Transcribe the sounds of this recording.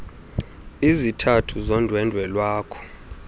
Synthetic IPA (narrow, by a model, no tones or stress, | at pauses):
izitʰatʰuzɔndʱwɛndʱwɛlwaːkʰɔ̥